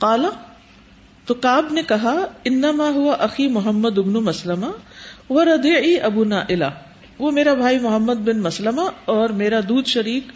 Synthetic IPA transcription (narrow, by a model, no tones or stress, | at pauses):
qaːla | t̪okaːbnekɐɦaɪnːɐmaːɦʊʋaʔɐximʊɦɐmːəd̪ʊbnumɐslɐmaʋɐɾɐd̪iːʕiːʔɐbuːnaːʔɪla̰ | ʋoːmeːɾabʱaːimʊɦəmːəd̪bɪnmɐslɐmaɔːɾmeːɾad̪uːd̪ʃɐɾiːk